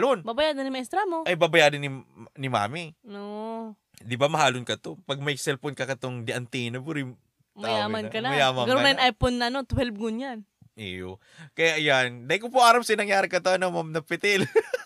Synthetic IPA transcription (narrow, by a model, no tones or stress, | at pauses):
lonbabɐjaːd̪ɐnɪmɐʔɛst̪ɾamoʔɐjbaːbɐjaːd̪ɐnɪnɪma̰ːmio | d̪ɪbamɐɦaːlonkɐt̪opɐɡ̚mɐjsɛlfonkɐkɐt̪oŋd̪ɪʔɐnt̪inɐbuɾɪ | maɐjaːmɐnkɐnamɐjaːmɐnɡɐnoɐjɐnʔajponːɐʔɐnot̪ʊhɛlb̚ɡʊnjan | ʔḭjo | kɐjaʔjand̪ɐɪkopoʔaːɾɐmsɐnɐŋjaːɾɪkɐt̪onɐŋmamnɐpɪt̪ɛl